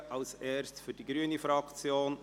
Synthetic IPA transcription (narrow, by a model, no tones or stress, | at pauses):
ʔɑlseːɾstfyɾd̥iɡɾyənifɾɑkt͡sjoːn